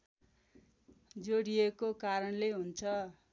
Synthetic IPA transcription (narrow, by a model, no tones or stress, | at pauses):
d͡zoɽijekokaɾʌnleɦunt͡sʰʌ